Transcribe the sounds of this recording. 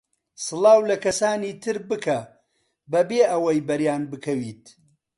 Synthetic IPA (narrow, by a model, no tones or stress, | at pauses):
sɨlˠɑːwlɐkɐsaːniːt̪ʰɨɾbɨkʰɐ | bɐbeːʔɐwɐjbɐɾjaːnbɨkʰɐwiːt̪